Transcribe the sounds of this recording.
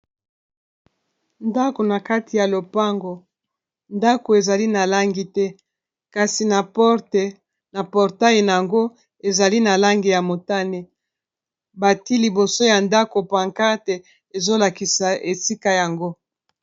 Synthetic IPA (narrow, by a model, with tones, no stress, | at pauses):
nda˦ko˨na˨ka˦tʰi˨ja˨lo˨pa˦ŋɡo˨ | nda˦ko˨e˨za˨li˦na˨la˦ŋɡi˨tɛ˦ | ka˨si˨na˨pɔ˦t | na˨pɔ˨ʁta˦je˨na˨ja˨ŋɡo˦ | e˨za˨li˦na˨la˦ŋɡi˨ja˨mo˨ta˦ne˨ | ba˨ti˦li˨bo˨so˦ja˨nda˦ko˨pa˨ŋka˦te˨ | e˨zo˦la˨ki˨sa˨ʔe˨si˦ka˨ja˨ŋɡo˦